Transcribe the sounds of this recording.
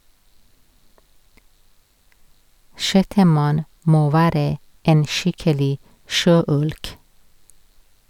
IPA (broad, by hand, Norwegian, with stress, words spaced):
ˈʃɛtəˌmɑn ˈmoː ˈʋæːɾə ˈeːn ˈʃɪkəlɪ ˈʃøːˌʉlk